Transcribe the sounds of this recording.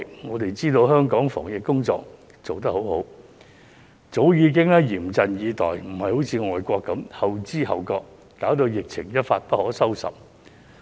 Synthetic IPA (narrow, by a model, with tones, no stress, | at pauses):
ŋɔː˨˧t̪e˨jt͡siː˥t̪o˧wɦœː˥ŋkɔː˨˥ŋfɔ̰ː˨˩ŋjɪ˨kːʊ˥ŋt͡sɔ̰ː˧k̚ | t͡so˨wt̪̬ɐ˥k̚ho˨˥who˨˥w | t͡so˨˥wjiː˨˧k̬ɪ˥ŋɛː˥jiː˨˩mt͡sɐ˨njiː˨˧t̪ɔ̰ː˨˩jm̩˨˩hɐ˨jho˨˥wt͡sʰiː˨˧ŋɔː˨jkʷɔː˧kːɐ˨˥mhɐ˨wt͡siː˥hɐ̰˨wkɔː˧k̚ː | aː˨˥wt̪o˧jɪ˨k̚t͡sʰɪ̰˨˩ŋjɐ˥t̚faː˧t̚pɐ˥t̚hɔː˨˥sɐ˥wsɐ̰˨˩p̚